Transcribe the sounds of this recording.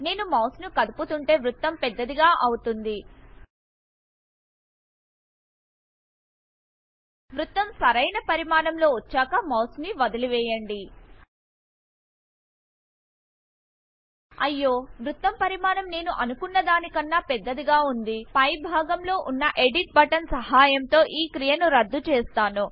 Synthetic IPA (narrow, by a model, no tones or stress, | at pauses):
ne̞ːnumɐːwsnukɐd̪uput̪uɳʈe̞ːʋɾut̪ːɐmpɛd̪ːɐd̪iɡaːʔɐwut̪und̪i | ʋɾut̪ːɐmsɐɾɐjnɐpɐɾimaːnɐmlo̞ːʋɐt͡ʃːaːkɐmɐːsniʋɐd̪ɐliʋɛːjɐɳɖi | ɐjːo̞ːʋɾut̪ːɐmpɐɾimaːnɐmne̞ːnuʔɐnukunːɐd̪aːnikɐnːaːpɛd̪ːɐd̪iɡaːund̪ipɐjbʱaːɡɐmlo̞ːʔunːɐʔeɖiʈ̚bɐʈɐnsɐɦaːjɐmt̪o̞ːʔiːkɾijɐnuɾɐd̪ːut͡ʃɛːst̪aːnu